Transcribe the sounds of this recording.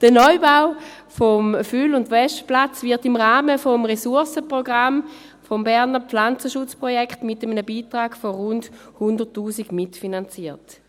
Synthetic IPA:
d̥ənɔʏbaʊ | fomfylʊndʋɛʃtplat͡svɪɐtimʁaːməfomʁesuɐsəpʁoɡʁam | fombɛɐnəflant͡səʃʊt͡spʁojɛkχtmɪtəmənəbiːtʁaːɡ̥foʁʊnd | hundəʁtːuːsiɡ̥mitfinant͡siːɐt

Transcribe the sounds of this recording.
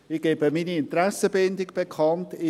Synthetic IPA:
ɪɡ̥eːbəmiːniɪntɾɛsəbɪndɪɡb̥ekʰɑntɪ

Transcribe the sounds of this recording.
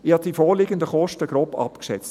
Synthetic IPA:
ɪhɑt̪d̥ifɔːlɪːɡəndəχɔʃtəɡ̥ɾoːpɑ̰pkʃɛt͡st

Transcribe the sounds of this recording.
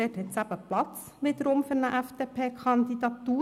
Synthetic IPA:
eːtɛt͡sæbəplɑt̪t͡s | ʋɪd̪əɾomfʏɾnəʔæfd̪̥eːpʰeːkʰɑnd̪id̪ɑt̪uː

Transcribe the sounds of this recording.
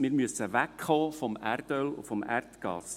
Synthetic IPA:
mɪːɾmyəsəʋækχɔːfɔmærd̪œlʊ̰fɔmæ̰rt̪ɡ̥ɑ̰s

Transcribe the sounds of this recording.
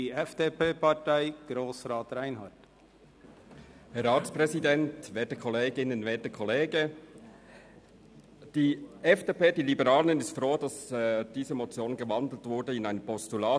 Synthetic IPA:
iɛfd̥eːpeːpɑtaɪɡ̥ɾoːsɾɑːtɾaɪnɦɑt | hɛɾʁaːtspʁɛzidɛntvɛːtəkʰɔleːɡɪnənvɛːɐtəkʰɔleːɡə | d̥iːʔɛfd̥eːpeːd̥iːlibəʁaːləɪnɪstfʁoːdɑsd̥iːzəmot͡sjoːnɡəvɑndl̩tv̥ʊɾdəɪnaɪnəpʰɔstulaː

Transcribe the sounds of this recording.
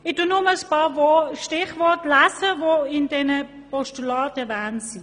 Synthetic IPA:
ɪd̥unʊməəspɑːvoʃtɪχvɔɐtlæsəvoɪndɛnə | pɔʃtulɑːtɛɐvɛːnsi

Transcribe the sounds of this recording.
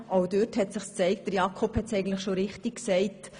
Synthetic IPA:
ʔoʊdøthɛtsɪχst͡sɛɪkt̚d̥əɾjɑkʰɔphɛtsɛɪɡən̩tlɪχʃoɾɪχtik̚ksɛɪt

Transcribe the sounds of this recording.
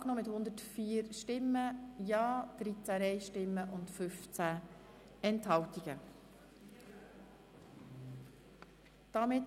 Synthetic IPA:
knoːmɪthʊnd̪ətfiːɾʃtɪmːəjɑːd̪̥ɾit͡sæɛɪʃtɪmːəʔʊntfʏft͡sæ | ɛnthɑltiɡ̥ə | d̥ɑmɪt

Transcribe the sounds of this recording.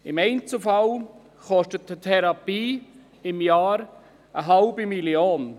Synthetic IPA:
ɪmɛɪnt͡səfal | χɔʃtətətʰɛɾɑpiː | ɪmjaːɾ | əɦalbimilioːn

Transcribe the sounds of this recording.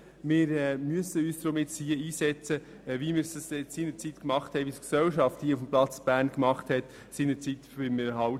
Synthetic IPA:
mɪɾɛːmyəsəyːsd̥̪ɾɔmɪt̪shiəiːsɛt͡sə | ʋimɪːɾsəsɪsiːnəɾt͡sit̪kmɑχthɛɪʋisksɛwʃɑfthiəufm̩plɑt͡sb̥æːɾnkmɑχthɛt̪ | sinət͡sit̪bɪmɪɾɦɑw

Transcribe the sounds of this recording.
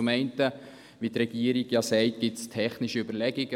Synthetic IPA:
umɛɪntə | ʋitrɛɡ̥iːəɾiɡjɑsɛɪtɡ̥ɪtstʰɛχnɪʃiybəɾlɛɡiɡ̥ə

